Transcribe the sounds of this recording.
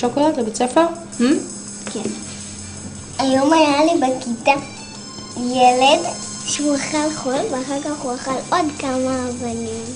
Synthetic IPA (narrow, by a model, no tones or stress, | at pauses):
ʃokolatlebet͡sefeʁ | h̩ | kʰen | ajomajalibekit̪a | jeled | ʃeuaχalχolveaχaʁkaχuaχalʔodkamaːvanim